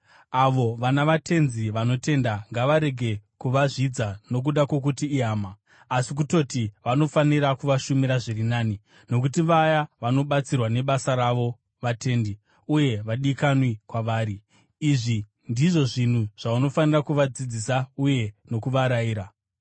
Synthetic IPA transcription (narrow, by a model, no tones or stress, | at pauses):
aʋo̞ʋanaʋatʰe̞nziʋano̞te̞ndaŋɡaʋaɾe̞ɡʱe̞kuʋaʐid͡zano̞k̬uɗakwo̞k̬utiːaːmaː | sik̬uto̞tiʋano̞faniɾakuʋaʃumiɾaʐirinaːni | no̞k̬utiʋajaʋano̞ɓat͡sirwane̞ɓasaɾaʋo̞ | ʋatʰe̞ːndi | uje̞ʋaɗikanwikwaʋaːɾiː | ʐi | ndiʐo̞ʐin̤uʐ̥auno̞fanirakuʋad͡zid͡zisauje̞no̞kuʋaɾaiːɾa